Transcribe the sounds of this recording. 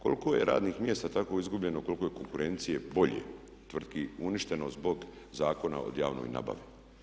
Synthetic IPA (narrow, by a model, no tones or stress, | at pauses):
ko̞lˠkoje̞̰ɾʔa̰ːd̪nixmje̞ːst̪at̪ako̞izɡubʎe̞noko̞lˠkojeko̞ŋkuɾe̞nt̪sije̞bo̞ʎḛ | t̪ʋr̩d̪kiuniʃt̪e̞nozbo̞ɡ | zaːko̞na̰o̰d̪jaːʋno̰jna̰ba̰ʋi